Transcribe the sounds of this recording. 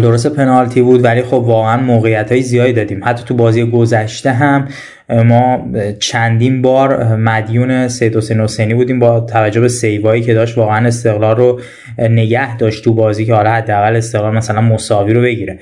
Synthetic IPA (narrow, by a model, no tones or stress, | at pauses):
d̪o̞ɾos̬t̪e̞pʰe̞nɒlt̪ʰibuːd̪vælixo̞bvɒːɣeænmoːɣejːæt̪ʰhɒːjezijɒːd̪id̪ɒːd̪iːmhæt̪ʰːɒːt̪ʰubɒːziːjeɡo̞zæʃt̪e̞ɦæmː | ɒːt͡ʃʰænd̪iːnbɒːɾmæd̪juːne̞se̞jed̪hose̞jnhose̞jniːbuːd̪iːmbɒt̪ʰævæd͡ʒːohbese̞jvɒːiːce̞d̪ɒːʃt̪vɒːɣeæne̞st̪e̞ɣlɒːrːo | ne̞ɟæhd̪ɒːʃt̪ʰːubɒːziːcʰehɒːlɒhæd̪ːeæɣæle̞st̪e̞ɣlɒːlmæsælænmosɒːviːɾo̞be̞ɟiːɾe